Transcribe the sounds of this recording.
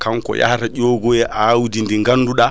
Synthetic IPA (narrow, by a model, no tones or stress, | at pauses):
kaŋkɔ̰ja̰hataʄoːɡɔjɛʔawudindiŋɡanːduɗa